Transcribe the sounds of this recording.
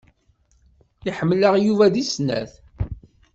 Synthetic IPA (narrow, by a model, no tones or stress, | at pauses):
iħəmːləʁjuvæðisnæ̰θ